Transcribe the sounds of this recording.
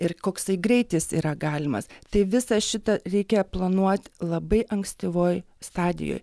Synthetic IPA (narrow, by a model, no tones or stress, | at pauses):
ɪrkoːkst̪ɐɪɡɾʲɛɪt̪ʲɪsḭːɾɐɡɑːlʲɪmɐ̰st̪ɐɪʋʲɪsɐʃʲɪt̪ɐɾʲɛɪkʲɛplˠɐnuɔt̪ʲlˠɐbɐɪʔɐŋksʲt̪ʲɪʋoːj | st̪ɑːd̪ʲɪ̰jo̰ːj